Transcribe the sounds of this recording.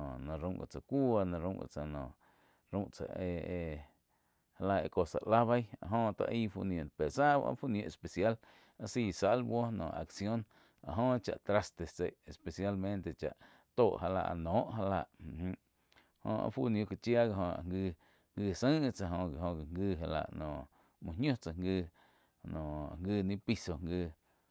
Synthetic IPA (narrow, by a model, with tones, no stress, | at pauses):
õ˨nã˧ɾũ˧˦ŋɡa̰˨t͡sa˨kʷu˦a˧nã˧ɾũ˧˦ɡa̰˧˨t͡sa˧˨nõ˨ | ɾũ˧˦ʔt͡sa̰˨ʔe˧e˧ | ha˧la˧ḛ˧˨ko˧sa̰˨ʔla˦βa˦ja˧ʔɦõ˧t̪a̰˧ʔi˦fu˧nj̃õ˧˨npe˨ɾsa˦a̰˦fu˦njõ˧ʔe˨spe˨sja˦l | a˦siː˧˨sa˦lbwo˦nõ̰˨ʔa̰˨ksjõ˦n | a˨ɦõ˦t͡ʃa̰˧ʔt̪ɾa˧st̪e˨t͡se˨ʔe˨spe˨sja˦lmẽ˦nt̪e˧t͡ʃa̰˨ʔ | t̪oː˧˨ʔha˧la̰˧ʔa̰˧˨nõː˨˦ʔɦa˧la˧ʔm̃˨h̩˧ | hõ̰˧ʔa̰˧˦fu˦nj̃o˧ka˧t͡ʃja˦ɡa˧ɦõ˧a̰˨ŋɡɨ˧ | ŋɡɨː˧sə̃˦˧t͡sa˧ɦõ˧ɡa˨õ˧ɡa˨ŋɡɨː˧ɦa˧la̰˧˨ʔnõ˨ | mũ˨˧ɲõ˦t͡sa˨ŋɡɨː˧ | nõ˨a̰˨ŋɡɨː˧nĩ˦pi˧so˧ŋɡɨː˧